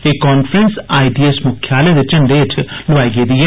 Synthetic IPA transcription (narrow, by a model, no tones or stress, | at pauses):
ekːɔːnfɾənsaːiɖiesmʊkʰjaːled̪et͡ʃəɳɖeːtʰlʊʋaːiɡeːd̪iɦɛ